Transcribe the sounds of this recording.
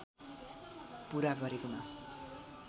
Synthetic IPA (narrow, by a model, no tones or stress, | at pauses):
puɾaɡʌɾekoma